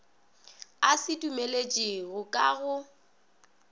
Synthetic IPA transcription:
asɪdʼumelet͡ʃʼeɣʊkʼaɣʊ

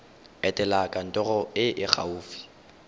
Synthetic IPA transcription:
ɛtʼɛlakʼan̩tʼɔɣɔɪʔɪk͡xʰa̰uːfi̥

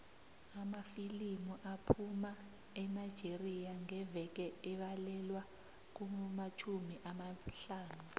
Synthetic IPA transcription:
amafilimuʔapʰuma | ɛnajd̥ʒ̥ʱerijaŋɛvɛk̬ɛɛɓalɛlwa | k̬umumat͡ʃʰumiʔamaɬaːnu

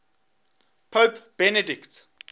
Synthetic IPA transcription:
pʰəːpb̥ɛnədɪkt

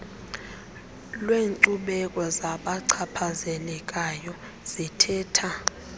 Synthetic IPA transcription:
lweːŋǀuɓɛkʼɔzaɓaǀʰapʰazɛlɛkʼajɔ | z̥itʰɛːtʰa

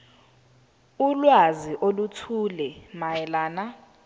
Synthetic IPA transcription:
ulwaziʔolutʰuːlɛmajɛlaːna

